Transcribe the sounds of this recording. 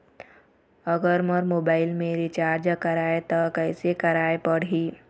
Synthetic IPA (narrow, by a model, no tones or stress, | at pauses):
əɡəɾməɾmoːbaːɪlmẽɾit͡ʃaːɾd͡ʒəkəɾaːet̪əkəɪsekəɾaːepəɽ̤iː